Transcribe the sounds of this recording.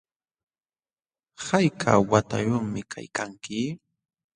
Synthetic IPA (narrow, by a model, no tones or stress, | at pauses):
hajkʰa̰wat̪a̰jʊŋmɪkʰa̰jkaŋkɪ